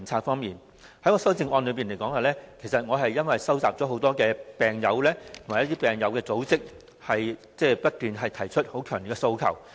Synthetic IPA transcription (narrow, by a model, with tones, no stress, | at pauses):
nt͡sʰaː˧t̚fɔː˥ŋmiː˨˩n | hɐ˨˥jŋɔː˧sɐ˥wt͡sɪ˧ŋʔɔː˧nlɵ˨˧piː˨nle˨˩kɔː˨˥ŋhaː˨˩lɛː˥kʰe˨˩jsɐ˨t̚ŋɔː˨˧ɦɐ˨jjɐ˥nwɐ˨jsɐ˥wt͡saː˨p̚t͡sɔː˨˥ɦo˨˧˥wt̪ɔː˥kɛː˧pɛː˨˩ŋjɐ˨˧wlɛː˥t̪ʰmaː˨jɐ˥t̪i˥pɛː˨ŋjɐ˨˧wkɛː˧t͡so˨˥wt͡sɪ˥k̚ | hɐ˨jt͡sɛː˥˩pɐ˥t̚t̪yː˨nɦɐ˨jt̪ʰɐ˨˩jt͡ʃʰɵ˥t̚ho˨˥kʰœː˨˩ŋi˨˩kɛ˧so˧wkʰɐ̰˨˩w